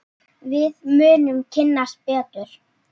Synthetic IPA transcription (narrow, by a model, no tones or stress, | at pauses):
vɪðmʏːnʏmcʰɪnːaspɛːt̪ʏɾ̥